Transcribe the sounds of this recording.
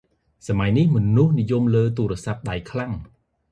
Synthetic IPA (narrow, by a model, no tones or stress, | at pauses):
samajnihmɔ̆nuhnijumləːt̪̬uːɾə̆əsap̚ɗajkʰlaŋ